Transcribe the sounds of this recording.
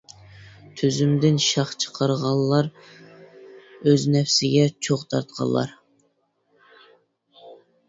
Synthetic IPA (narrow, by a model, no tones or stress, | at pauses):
t̪ʰyzymd̪ɪnʃɑχt͡ʃʰə̥qʰɑɾʁɑlˠːɑɾ | øznɛfsɪɡʲɛt͡ʃʰoχt̪ʰɑɾt̪̚qʰɑ̰lˠːɑ̰ɾ